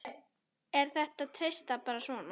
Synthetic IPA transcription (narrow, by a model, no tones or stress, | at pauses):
ɛɾ̥θɛht̪aðt̪ʰɾejst̪apaːɾasvɔːna